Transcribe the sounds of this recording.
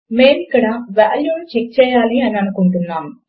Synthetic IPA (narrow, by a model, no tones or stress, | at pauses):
me̞ːmikːɐɽɐʋaːljuːnut͡ʃek̚t͡ʃɛːjaːliɐniɐnukuɳʈunːaːm